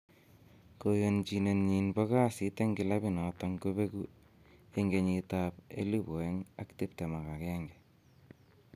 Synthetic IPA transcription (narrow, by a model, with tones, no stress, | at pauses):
ko˨jo˨nt͡ʃine˨nɲi˨nbɔ˦ka˦site˦ŋɡɪ˨la˦bi˦na˨taŋko˦be˦ku | e˦ŋɡe˨ɲitapḛ˦li˦bo˨e˦ŋa̰˦kti˦p̚te˨ma˨ka˨kɛŋɡɛ˨